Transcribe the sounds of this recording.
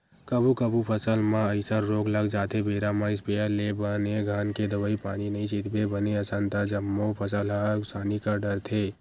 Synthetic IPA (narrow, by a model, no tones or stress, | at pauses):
kɐbukəbupʰəsəlmãəɪsəɾɾoːɡlɐɡd͡ʒaːt̪ʰebeːɾamãɪsbejəlebəneɡʱaːnked̪ɐʋəipaːñinɐɦĩt͡ʃit̪bebəneəsãnt̪ad͡ʒɐmːopʰəsəlɦasaːnikaɖəɾt̪ʰeː